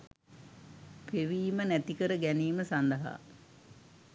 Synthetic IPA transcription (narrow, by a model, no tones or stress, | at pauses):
peʋiːmənæt̪ikəɾəɡæniːməsand̪əɦa̰ː